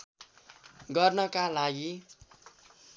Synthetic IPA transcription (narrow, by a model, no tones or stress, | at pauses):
ɡʌrnʌkalaɡi